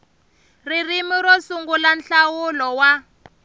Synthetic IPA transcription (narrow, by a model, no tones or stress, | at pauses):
ririmiɾɔsuŋɡulanɬawulɔwa